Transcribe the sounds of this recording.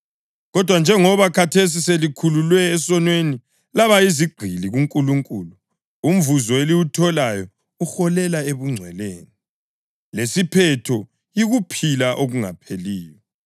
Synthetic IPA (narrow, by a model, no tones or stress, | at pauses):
ɣɔd̥ʱwand͡ʒʱɛŋɔβakʰatʰes̬iselikʰululwɛːsɔnweni | laβaiziɡ͡ǀʱiliɣuŋkʼuluŋkʼuːlu | um̩vuzɔeliwutʰɔlajɔ | uxɔlɛlaeβuŋ͡ǀʱwɛleːni | lesipʰɛtʰɔ | iɣupʰilaʔoɣuŋa̰pʰeliːjɔ